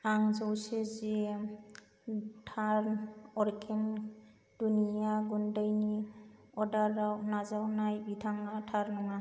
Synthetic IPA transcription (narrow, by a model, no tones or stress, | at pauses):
aŋzɔwseze | tʰaɾɔɾkʰen | d̥unijaɡundajni | ɔdaɾawnazawnajbitʰaŋatʰaɾnɔŋa